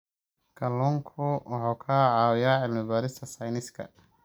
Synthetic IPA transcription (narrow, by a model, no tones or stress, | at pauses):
kʰɐlɔŋkʰʊwʔɑħuːkʰaʕɑːwɪjaːʕɪlmɪbaːɾɪst̪ʰɐsɐjnɪskʰɐ̰